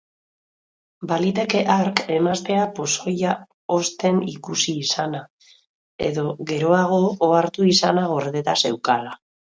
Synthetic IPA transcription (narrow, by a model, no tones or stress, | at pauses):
balit̪e̞ke̞ʔaɾke̞mast̪e̞apo̞so̞ja | o̞st̪e̞nikusiːsana | e̞̰ðo̞ɣe̞ɾo̞aɣ̞o̞ːaɾt̪uisanaɣ̞o̞ɾðe̞t̪ase̞wkala